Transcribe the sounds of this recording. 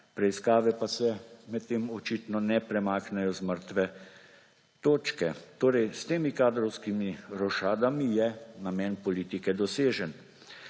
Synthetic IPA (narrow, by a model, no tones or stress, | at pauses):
pɾɛiskaːʋɛpasɛmɛt̪t̪ːemɔt͡ʃiːt̪nɔnɛpɾɛmaːknɛjɔzməɾt̪ʋɛ | t̪oːt͡ʃkɛt̪oːɾɛjst̪eːmikaːd̪ɾɔwskimiɾɔʃaːd̪amijɛnamɛːnpɔliːt̪ikɛd̪ɔseːʒən